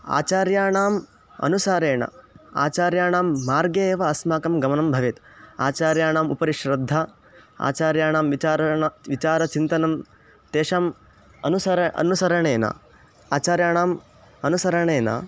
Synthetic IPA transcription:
a̰ːt͡ʃaːɾjaːɳaːm | ɐ̰nusaːɾeːɳɐ̰a̰ːt͡ʃaːɾjaːɳaːmːaːɾɡeeːʋɐɐsmaːkɐmɡɐmɐnɐmbʱɐʋet̪a̰ːt͡ʃaːɾjaːɳaːmṵpɐɾiʃɾɐd̪ʱːa | a̰ːt͡ʃaːɾjaːɳaːmʋiaːɾɐɐʋit͡ʃaːɾɐt͡ʃint̪ɐnɐm | t̪eːʂaːm | ɐ̰nusɐɾɐ̰nusɐɾɐɳeːnɐ̰ | aːt͡ʃaːɾjaːɳaːm | ɐnusɐɾɐɳeːnɐ̰

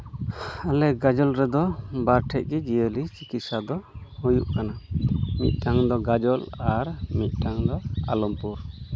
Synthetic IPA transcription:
alɛɡad͡ʒɔlɾɛd̪ɔbaɾʈʰɛʔ̚kɛd͡ʒijəlit͡ʃikit̪̚sad̪ɔhujuʔkanamḭt̪̚ˀʈʰaŋd̪ɔɡad͡ʒɔlaɾmit̪̚ˀʈʰaŋd̪ɔa̰lɔmpuɾ

